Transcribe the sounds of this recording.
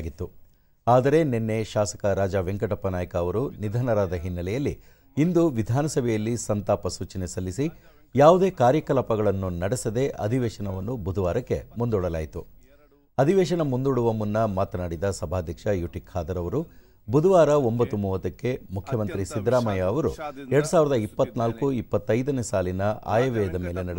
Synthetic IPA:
ɡit̪ːu | aːd̪ɐɾe̞nenːe̞ʃaːsɐ̥kɐɾaːd͡ʒɐʋeŋkɐʈɐpːɐnaːjɐkɐːʋɐɾunid̪ʱaːnɐɾaːd̪ɐɦinːɐlɛjɐlːi | ind̪uʋid̪ʱaːnɐsɐbʱɛjɐlːisɐnt̪aːpɐsuːt͡ʃɐnesɐlːisi | jaːʋud̪e̞ːkaːɾjɐkɐlɐpɐɡɐɭɐnːunɐɽɛsɐd̪e̞ʔɐ̰d̪ʱiʋɛːʃɐnɐʋɐnːubud̪ʱuʋaːɾɐkːe̞̰mund̪uɭɐla̰ːjit̪u | ɐd̪ʱiʋɛːʂɐnɐmund̪uɽuʋɐmunːɐmaːt̪ɐnaːɽid̪ɐsɐbʱaːd̪ʱjɐkʂɐjuʈikʰhaːd̪ɐɾɐʋɐɾu | bud̪uʋaːɾɐo̞mbɐt̪ːumuːʋɐt̪ɐkːe̞mukʰːjɐmɐnt̪ɾisid̪ɾaːmɐjɐːʋɐɾṵɛɾɐɽusaːʋiɾɐd̪ɐipːɐt̪ːnaːlkuipːɐt̪ːɐjd̪ɐnesaːlinɐʔa̰ːjɐʋɛɐd̪ɐme̞ːlenɐɽ

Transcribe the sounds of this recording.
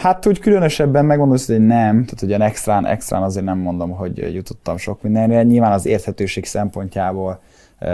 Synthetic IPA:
hat̪uːckylønøʃɛbːɛmmɛɡmond̪olshonɛmt̪aːt̪hoɟɒnɛkst̪raːnɛ̰kst̪ra̰ːnɒzeːrnɛmːo̞nd̪o̞mɦo̞ɟjut̪o̞̥t̪ːɒmʃo̞kmind̪ɛnrɛɲilvaːnɒzeːrt̪hɛt̪øːʃeːksɛmpo̞ɲcaːboːl

